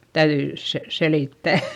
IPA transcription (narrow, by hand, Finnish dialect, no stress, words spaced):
tæyðyi se seliˑtːæˑ